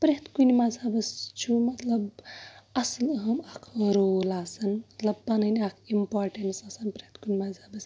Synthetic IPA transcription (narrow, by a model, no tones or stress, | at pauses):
pɾet̪kunmazabəst͡ʃʰumɐt̪lɐbɐslɦɐmakʰɾolaːsɐnmɐt̪lɐb̚ːɐnəniakʰimpoːɾʈensaːsɐnpɾeht̪kunimazaːbəs